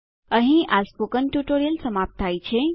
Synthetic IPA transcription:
əɦĩaspokənʈjuʈoɾijəlsəmap̚t̪ʰajt͡ʃʰe

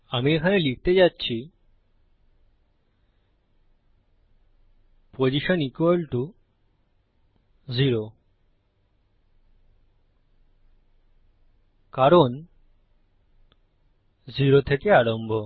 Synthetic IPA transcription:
amiekʰanelik̚ʰt̪ed͡ʑatːɕʰi | pod͡ʑiʃɔnikelʈu | d͡ʑiɾo | kaɾon | d͡ʑiɾot̪ʰekeaɾombʱo

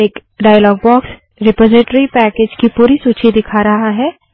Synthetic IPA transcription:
eːkɖaːjəlɔːɡ̚bɔːks | ɾɪpɔːzɪʈɾipɛːkeːd͡ʒkipuːɾisuːt͡ʃʰid̪ɪkʰaːɾɐɦaɦɛː

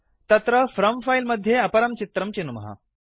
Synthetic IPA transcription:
t̪ɐt̪ɾəfɾɐmfajlməd̪ʱːjeɐpɐɾɐmt͡ɕit̪ɾɐmt͡ɕinumɐ̰ɦa̰

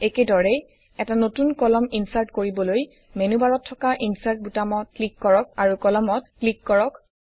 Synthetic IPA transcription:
ekedɔɹɛ | ɛtanotunkɔlɔminsaɹtkoɹibɔloj | menubaɹɔtʰːɔkaʔinsaɹt̚butamɔt̚klikːɔɹɔk̚aɹukɔlɔmɔt̚klikːɔɹɔk

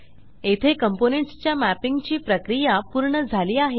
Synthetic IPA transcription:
et̪ʰekəmponeɳʈst͡ɕjamæpiŋɡt͡ɕiːpɾəkɾijapuɾɳəd͡zʱaliːaɦe

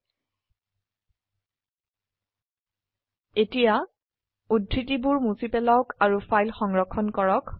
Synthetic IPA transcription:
etija | udʱɹitibuɹmusipɛlaʊkaɹufʰajlxɔŋɹɔkʰːɔnkɔɹɔk

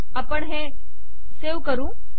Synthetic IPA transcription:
apəɳɦẽ | seːʋkəɾũː

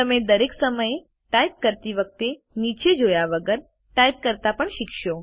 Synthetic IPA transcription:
t̪əmed̪əɾeksəməje | ʈajp̚kəɾt̪iʋək̚t̪e | nit͡ʃed͡ʒojaʋəɡəɾ | ʈaip̚kəɾt̪apəɳʃikʃo

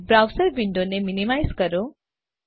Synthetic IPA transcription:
bɾawsəɾbiɳɖoneminimajskəɾo

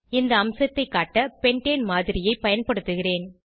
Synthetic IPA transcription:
ɪnd̪ɐːmsɐt̪ːɐɪkːaːʈːɐpɛɳʈeːnmaːðɪɾɪjɐɪpɐjɐnpɐɽɯt̪ːɯɣɪreːn

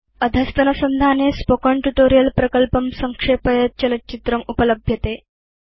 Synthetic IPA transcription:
əd̪ʱəst̪ɐnəsənd̪ʱanespokəɳʈuʈoɾijəlpɾəkəlpəmsəŋkʂepəjət͡ɕɐlət͡ɕit̪ɾəmupələbʱjət̪e

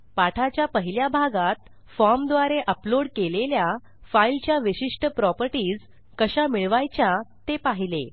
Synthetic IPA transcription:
paʈʰat͡ɕjapəɦiljabʱaɡat̪ | fɔɾmd̪ʋaɾeʔəploɽkelelja | failt͡ɕjaʋiɕiʂʈəpɾɔpəɾʈiːd͡z | kəɕamiɭʋajt͡ɕjat̪epaɦile

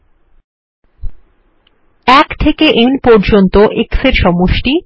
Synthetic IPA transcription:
ɛkt̪ʰekeʔenpɔɾd͡ʑont̪oʔekseɾʃɔmoʃʈi

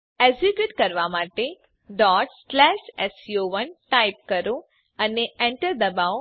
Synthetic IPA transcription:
ezibjuʈkəɾʋamaʈe | ɖɔːʈslɛʃɛsjoʋənʈaip̚kəɾõ | əneɛ̃ɳʈəɾd̪əbao

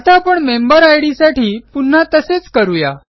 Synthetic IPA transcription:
at̪apəɳmembəɾajɽisaʈiːpun̤ːat̪əset͡skəɾuja̰

